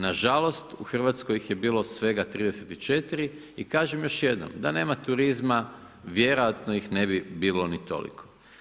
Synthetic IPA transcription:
naʒalˠo̞st̪uxr̩ʋaːt̪sko̞jixje̞biːlˠo̞sʋe̞ɡat̪ɾiːd̪eset̪it͡ʃe̞t̪iɾi | ikaːʒemjo̞ʃje̞d̪no̰md̪ane̞ːmat̪uɾizma | ʋje̞ɾo̞jat̪nojixne̞bibiːlo̞nit̪o̞̰lḭkʰo

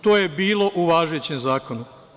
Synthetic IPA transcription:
t̪oːje̞biːlˠo̞ʔuʋaːʒet͡ɕemzaːko̞nu

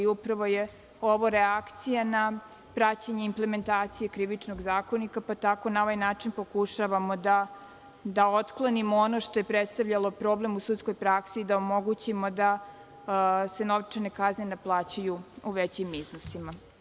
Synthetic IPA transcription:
upɾaʋo̞je | oʋoɾeakt̪sijana | pɾat͡ɕaɲeimple̞me̞nt̪aːt̪sije̞kɾiʋit͡ʂnoɡzaːko̞nikapat̪ako̞nao̞ʋajnaːt͡ʂinpo̞kuʃaʋamo̞d̪a | d̪aot̪klˠonimoono̞ʃt̪o̞jepɾet̪st̪aʋʎalo̞pɾoːblemusut̪sko̞jpɾaksiːd̪aomo̞ɡut͡ɕimo̞d̪a | se̞noʋt͡ʂene̞kazɲenaplˠaːt͡ɕajuuʋet͡ɕimːiznisima

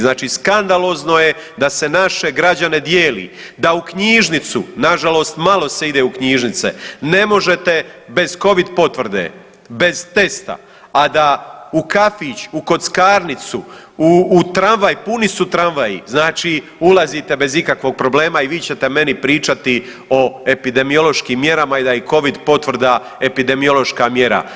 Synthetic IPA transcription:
znaːt͡ʃiːskand̪alo̞ːzno̞je̞ | d̪ase̞naʃe̞ɡɾad͡ʑane̞d̪jeːlḭː | d̪aukɲiːʒnit̪sṵnaʒalo̞ːst̪malˠo̞seid̪eːukɲiːʒnit̪sḛne̞mo̞ʒe̞t̪e̞be̞z̥ko̞ʋid̪po̞t̪ʋr̩d̪ḛ | be̞zt̪e̞st̪a̰ | ad̪aukafit͡ɕuko̞t̪skaːɾnit̪suuːt̪ɾanʋajpunisut̪ɾanʋajḭznaːt͡ʃi | ulˠazit̪e̞be̞zikakʋo̞ːɡ̚pɾo̞ble̞ːmaiʋiːt͡ɕe̞t̪e̞me̞nipɾiːt͡ʃat̪i | o̞e̞pid̪e̞mijo̞lo̞ʃkiːmːje̞ɾamaid̪aiko̞ʋid̪po̞t̪ʋr̩d̪a | e̞pid̪e̞mio̞lˠo̞ʃkaːmje̞ɾa̰

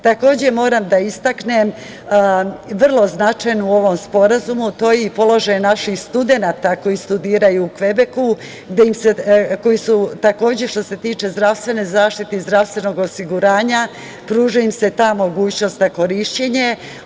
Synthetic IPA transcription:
t̪ako̞ːd͡ʑe̞mo̞ːɾamd̪aist̪aknem | ʋr̩lˠo̞znat͡ʃajnuo̞ʋo̞mspo̞ɾazumut̪o̞ːjeipo̞lo̞ʒajnaʃixst̪ud̪e̞naːt̪ako̞jist̪ud̪iːɾajuːkʋe̞be̞ku | ɡd̪ejimseko̞jisut̪ako̞ːd͡ʑe̞ʃt̪o̞se̞t̪iːt͡ʃe̞zd̪ɾaʋst̪ʋe̞ne̞zaːʃt̪it̪eizd̪ɾaʋst̪ʋe̞no̞ɡo̞siɡuɾaːɲa | pɾuːʒuimse̞t̪aːmo̞ɡuːt͡ɕno̞st̪zako̞ɾiːʃt͡ɕe̞ɲe̞

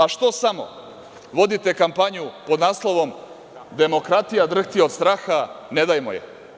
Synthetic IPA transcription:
aʃt̪o̞samo̞̰ | ʋo̞d̪it̪e̞kampaɲupo̞d̪naːslˠo̞ʋo̞m | d̪e̞mo̞kɾat̪ijad̪r̩xt̪iod̪st̪ɾaːxane̞d̪ajmojḛ

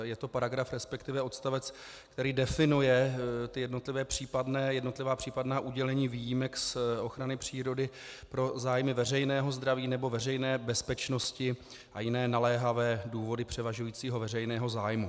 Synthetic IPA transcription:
jɛt̪o̞paɾaɡɾafɾɛspɛkt̪ɪvɛʔo̞t̪st̪avɛt͡s | kt̪ɛɾiːdɛfɪnujɛt̪ɪjɛdno̞t̪lɪvɛːpr̝̥iːpadnɛːjɛdno̞t̪lɪvaːpr̥iːpadnaːʔuɟɛlɛɲiːviːjimɛksʔo̞xɾanɪpr̝̥iːɾo̞dɪ | pɾo̞zaːjmɪvɛrɛjnɛːɦo̞zd̪ɾaviːnɛbo̞vɛrɛjnɛːbɛspɛt͡ʃno̞scɪ | ʔa̰jɪnɛːnalɛːɦavɛːduːvo̞dɪpr̝̥ɛvaʒujiːt͡siːɦo̞vɛrɛjnɛːɦo̞zaːjmu

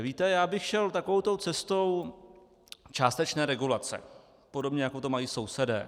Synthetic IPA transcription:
viːt̪ɛjaːbɪxʃɛlt̪akovowt̪owt͡sɛst̪o̞w | t͡ʃaːst̪ɛt͡ʃnɛːɾɛɡulat͡sɛ̰ | po̞do̞bɲɛjakot̪omajiːso̞wsɛdɛː

